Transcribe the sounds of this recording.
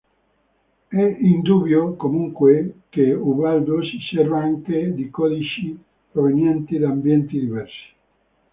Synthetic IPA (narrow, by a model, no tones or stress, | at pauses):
ɛind̪ubjokomuŋkwekeubald̪osisɛrvaaŋked̪ikɔd̪it͡ʃi | pɾovenjɛnt̪id̪ambjɛnt̪id̪ivɛrsi̥